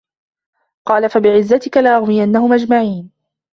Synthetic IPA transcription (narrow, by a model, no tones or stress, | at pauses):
qɑːlafabɪʕɪzːat̪ɪkalaʔaɣmɪjanːahʊmʔad͡ʒmaʕiːn